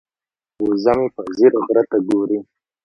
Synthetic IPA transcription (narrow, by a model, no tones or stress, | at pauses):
uzamepaziɾɣɾat̪aɡoɾi